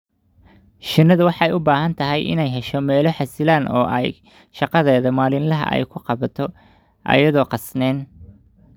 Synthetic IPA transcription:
ʃɪnːɐðʊwɑħɑɛjʊbaːɦɐnt̪ʰɐɦɛjʔɪ̰nɛjɦɛʃɔmɛːlɔħɑsɪlaːnʔɔːʔɛ̰j | ʃɑqɑðɛːðɐmaːlɪnlɐɦɐ̰ʔɛ̰jkʰʊqɑβɐt̪ʰɔ | ʔɐ̰jɐðɔːqɑsnɛːn

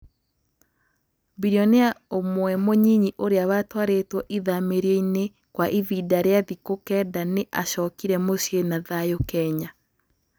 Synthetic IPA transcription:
biɾiɔneaomwɛmoɲiɲiʔoɾeaβatwaɾetwɔʔiðameɾjeine | kwaʔividaɾeaðikokɛdaneʔaɕɔːkiɾɛmosjenaðajokɛɲa

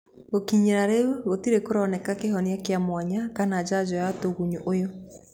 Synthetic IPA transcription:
ɣokiɲeɾaɾeeɣotiɾekoɾɔnɛkakeɦɔniakeamwaɲakanaːd͡ʒad͡ʒɔjatoɣuɲuʔojo

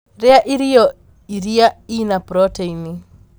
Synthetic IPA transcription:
ɾɛaʔiɾiɔ | iɾiainapɾɔteini

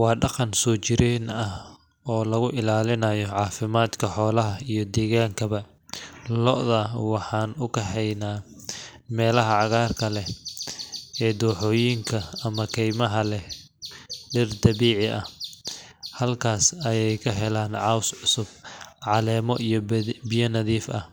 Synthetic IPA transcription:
wɑːɖɑqɑnsɔːt͡ʃɪɾiːnɐh | ɔːlɐɣʊʔɪlaːlɪnɐjɔʕɑːfɪmaːd̪kʰɐħɔːlɐɦɐijɞd̪ɛːɣaːŋkʰɐβɐ | lɔʔðɐwɑħɑːnʊkʰɐɦɛjnaː | mɛːlɐɦɐʕɑɣaːrkʰɐlɛ | ɛːd̪uːħɔːjiŋkʰɐɐmɐkʰɛjmɐɦɐlɛ | ɖɪrd̪ɐβiːʕɪʔɐh | hɐlkʰaːsɐjɛjkʰɐɦɛlaːnʕɑwsʕʊsʊb̚ʕɑlɛːmɔʔijɔbɪjɐnɐðiːfɐh

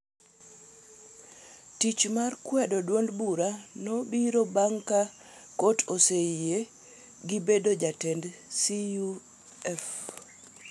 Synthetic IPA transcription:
tit͡ʃmarkwɛdodwondbuɾanobiɾobaŋka | kotʰoseije | ɡibedod͡ʒatɛndsiu | ɛf

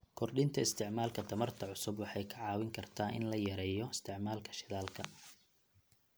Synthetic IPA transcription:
kʰɔrɗɪnt̪ʰɐɪst̪ʰɪʕmaːlkʰɐt̪ʰɐmɐrt̪ʰɐʕʊsʊbwɑħɑjkʰɐʕɑːwɪŋkʰɐrt̪ʰaːʔɪ̰nlɐjɐɾɛːjɔɪst̪ʰɪʕmaːlkʰɐ̥ʃɪðaːlkʰɐ

